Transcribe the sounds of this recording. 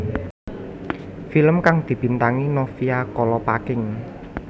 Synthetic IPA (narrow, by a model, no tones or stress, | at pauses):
filəmkaŋd̪̥i̤b̥i̤nt̪aŋinɔfiakɔlɔpakɪŋ